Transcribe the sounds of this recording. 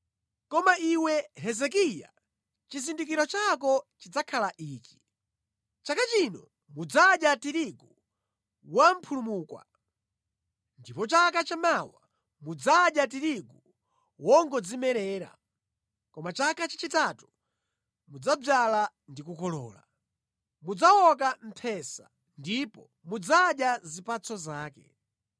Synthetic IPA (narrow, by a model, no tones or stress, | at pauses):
kɔmaʔiwɛɦɛzɛk̬ija̰ | t͡ʃizindik̬iɾɔt͡ʃak̬ɔt͡ʃid͡zakʰalaʔiːki̥ | t͡ʃakat͡ʃinɔ | mud͡zaɗjatiɾiɡu | wam̩pʰulumuːkwa̰ | ndipɔt͡ʃakat͡ʃamawa | mud͡zaɗjatiɾiɡu | wɔŋɡɔd͡zimɛɾɛːɾa̰ | kɔmat͡ʃakat͡ʃḁt͡ʃitatu̥ | mud͡zab͡ʐala | ndikukɔlɔ̰ːla̰ | mud͡zawɔkam̩pʰɛsa | ndipɔ | mud͡zaɗjazipat͡sʰɔzaːkɛ̰